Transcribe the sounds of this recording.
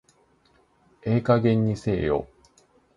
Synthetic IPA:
e̞ːkaɡẽ̞ɲ̟ːise̞ːjo̰

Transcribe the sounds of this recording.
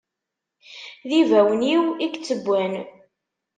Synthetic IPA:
ðivæwniwikt͡sːəbʷːæn

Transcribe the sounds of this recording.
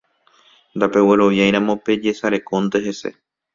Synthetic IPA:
nd̪ape̞we̞ɾo̞ʋjajɾ̃ãmõ̞pe̞d͡ʒe̞saɾe̞kond̪e̞ɦe̞se̞̰

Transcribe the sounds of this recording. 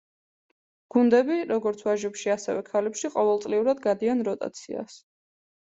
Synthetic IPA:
ɡ̥und̪ɛbiɾɔɡɔɾt̪sʰwaʒɛpʃiasɛvɛkʰalɛpʃiqʼɔvɛlt̪ʼliuɾad̪ɡad̪ianɾɔt̪ʼa̰t̪sʰḭa̰s

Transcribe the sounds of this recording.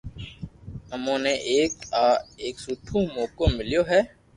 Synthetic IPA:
əmõːneʔeːkaːeːksuːʈʰũːmoːkoːmɪljoːɦɛː

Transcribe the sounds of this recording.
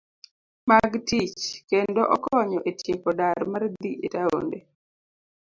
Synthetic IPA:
maɡtit͡ʃkendoʔɔkɔɲɔʔetjepɔdaɾmard̪iʔetao̰nde

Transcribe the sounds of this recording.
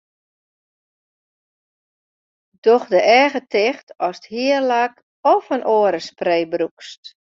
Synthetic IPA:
d̥ɔxdəʔɛːɣətʰɪxtɔsthiərlak | ɔfənʔoəɾəspreːbrukst

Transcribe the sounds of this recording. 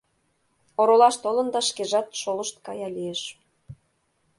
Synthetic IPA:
oɾolɑʃt̪olə̆nd̪ɑʃkeʒɑt̪ʃoləʃt̪kɑjɑlijeʃ

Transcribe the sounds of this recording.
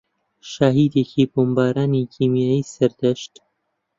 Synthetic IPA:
ʃaːɦiːd̪eːkʰiːboːmbaːɾaːniːkʰiːmijaːjiːsɐɾd̪ɛʃt̪

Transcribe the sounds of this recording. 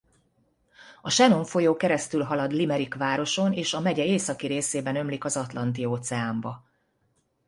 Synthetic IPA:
ɒʃɛno̞ɱfo̞joːkɛɾɛst̪ylɦɒlɒd̪limɛɾikʋaːɾo̞ʃo̞neːʃɒmɛɟɛeːsɒkiɾeːseːbɛnø̞mlikɒzɒt̪lɒn̪t̪ioːt̪sɛaːmbɒ

